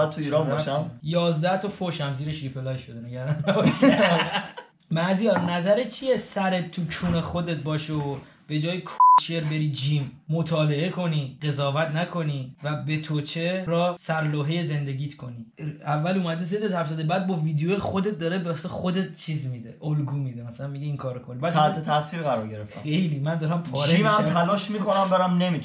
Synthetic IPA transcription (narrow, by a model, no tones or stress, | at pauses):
t̪ʰuiːɾɒnbɔʃæjɒːzd̪æht̪ʰɒfoʃæmziːɾeʃipʰelɒjʃod̪eneɟæɾd̪ænːæbɒæ | mæzijɒnæzæɾett͡ʃʰijesæɾe̞t̪̚t̪ʰːut͡ʃʰuːnexo̞d̪e̞t̪̚bɒːʃeo | b̥e̞d͡ʒɒːjekʰot͡ʃeɾbe̞ɾiːd͡ʒiːmːot̪ʰɒːle̞e̞kʰo̞niːɢe̞zɒːvæt̪ʰnækʰo̞nivæbe̞t̪ʰot͡ʃʰeɾɒːsæɾloːɦe̞jeze̞nd̪e̞ɡʲiːt̪ʰkʰo̞niævːæluːmæd̪ezed̪et̪ʰhæfzæd̪ebæːd̪̚bɒːviːd̪ejojxod̪et̪̚d̪ɒːɾebesexo̞d̪e̞t̪̚t͡ʃʰiːzmid̪eʔolɡuːmid̪emæsælænmiɡiiːŋkʰɒːɾokʰolːibæt̪ʰht̪ʰet̪ʰæsiːɾɣæɾɒːɾɟe̞ɾeft̪ːe̞jliːmænd̪ɒːɾæmpʰɒːɾd͡ʒeimæmt̪ʰænɒːʃmikʰonæmbeɾæmne̞mit̪ʰ